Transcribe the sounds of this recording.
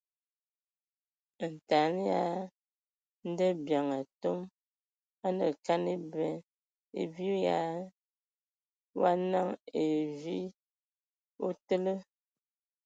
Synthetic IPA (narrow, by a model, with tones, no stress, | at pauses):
n̩˨ta˨˦n˦ja˦ | n̩˦də˦bja˨ŋa˨to˦m | a˦nə˨ka˦ni˦bɛ˨ | ḛ˨vi˦ja˦ | wa˦na˦˨ŋe˨vi˦ | o˦tə˦lə˦